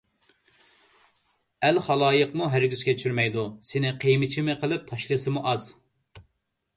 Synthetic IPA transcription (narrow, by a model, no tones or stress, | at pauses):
ælχɑlˠɑːjəqmuɦæɾɡʲyz̥kʲʰɛt͡ʃʰyɾmɛjd̪usɪnɪqʰejmɪt͡ʃʰimɪqʰəlˠɨp̚t̪ʰɑʃlˠɨsɨmuʔɑz̥